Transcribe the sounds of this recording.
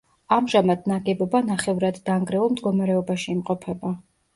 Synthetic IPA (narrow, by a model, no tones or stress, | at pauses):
amʒamad̪naɡɛbɔbanaχɛvɾad̪ːaŋɡɾɛulˠmd̪ɡɔmaɾɛɔbaʃiːmqʼɔpʰɛba